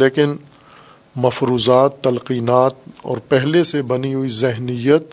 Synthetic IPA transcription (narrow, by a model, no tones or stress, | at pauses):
eːkɪn | mɐfɾuːzaːt̪ːɐlqiːnaːt̪ɔ̰ːɾpɛɦlesebɐniɦʊizɪɦnɪjət̪̚